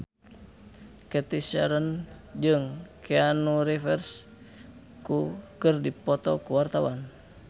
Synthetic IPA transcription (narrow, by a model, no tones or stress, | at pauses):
kɛt̪isa̰ɾənd͡ʒɨŋkʰɛanuɾifɛrs | kukɨrdipɔt̪ɔkuwart̪awan